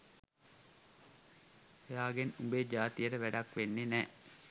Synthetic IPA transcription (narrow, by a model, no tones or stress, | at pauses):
ejaːɡenumbed͡ʒaːt̪ijəʈəʋæɖakʋenːenɛː